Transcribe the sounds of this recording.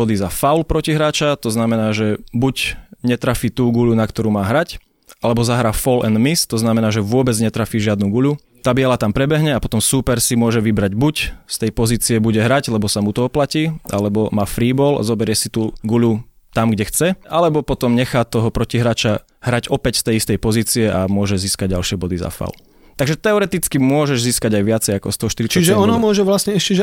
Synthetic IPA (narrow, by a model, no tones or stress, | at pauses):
ɔd̪izafaʊlpɾɔciɦɾaːt͡ʃat̪ɔznamɛnaːʒɛbuɟɲɛt̪ɾafiːt̪uːɡuʎunakt̪ɔɾuːmaːɦɾac | alɛbɔzaɦɾaːfɔlɛnmist̪ɔznamɛnaːʒɛʋʊɔbɛd͡zɲɛt̪ɾafiːʒɪad̪nuɡuʎu | t̪aːbiɛlat̪ampɾɛbɛɦɲɛapɔt̪ɔmsuːpɛɾsimʊɔʒɛʋibɾaɟbucst̪ɛjpɔziːt͡siɛbuɟɛɦɾaɟlɛbɔsamut̪ɔɔplaciːʔa̰lɛbɔmaːfɾiːbɔːla̰zɔbɛɾɪɛsit̪uːɡuʎu | t̪amɡɟɛxt͡sɛalɛbɔpɔt̪ɔmɲɛxaːt̪ɔɦɔpɾɔciɦɾaːt͡ʃa | ɦɾaɟɔpɛcst̪ɛjist̪ɛjpɔziːt͡siɛamʊɔʒɛziːskaɟ̚ɟalʃɪɛbɔd̪iza̰fa̰l | t̪aɡʒɛt̪ɛɔɾɛt̪it͡skimʊɔʒɛʒziːskaɟajʋɪat͡sɛjakɔst̪ɔɦɔʃt̪iɾit͡ʃiʒɛɔnɦɔmʊɔʒɛʋlasɲɛɛʃcɛʒ